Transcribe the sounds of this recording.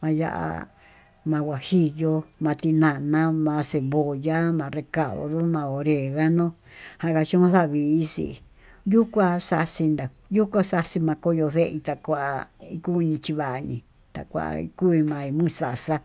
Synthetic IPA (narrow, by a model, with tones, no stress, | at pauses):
mã˧ja̰˧ʔa̰˧ | mã˧wʷa˨hi˦jo˧mã˧t̪i˧nã˨nã˦mã˧se˨βo˨ja˦mã˨˧re˧ka˨ðo̰˧˨ðo˦mã˧o˨ɾe˨ɣa˦nõ˦ | hã˧˦˧ka˧t͡ʃũ˦mã˦θa˦˨βi˧˨i˦sḭ˧ | ju˦kʷã˦sa˧si˧nd̪a˨ | ju˦kʷa˦sa˧si˧mã˧ko˦jo˧ðe˦ʔi˧t̪a˧kʷa˧a˧i˧ku˦˧ɲĩ˧t͡ʃi˧βa˨ʔɲĩ˧ | t̪a̰˨kʷa̰˧˨a̰˧ḭ˧ku˦i˧mã˨˧i˧mũ˦˨sa˨sa˦